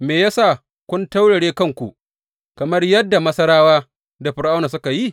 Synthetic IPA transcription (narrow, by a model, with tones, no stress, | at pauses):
meː˨jaː˦sa˦˨ | kʷʊ˦nta˦wɽɐ˨ɽeː˦kɐ˦˨ŋkʷṵ˨ | kɐ˨mɐ˦rjɐ˦dːa˨mɐ˦sɐ˦ɽaː˦waː˦ | da˨ɸɪ˨ɾʔa˦wnaː˨s̬ʊ˦ka˨ji˦˨